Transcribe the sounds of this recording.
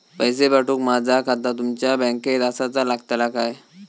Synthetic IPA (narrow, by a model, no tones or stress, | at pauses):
pəjsebaʈuːkmad͡zʱakʰat̪at̪umt͡ɕjabɛ̃ŋked̪asat͡salaɡt̪ajlakaj